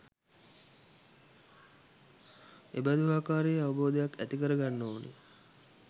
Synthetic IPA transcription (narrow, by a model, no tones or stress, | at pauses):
ebæd̪uɦaːkaːɾejəaʋɐboːd̪əjakæt̪ikəɾəɡanːoːnḛ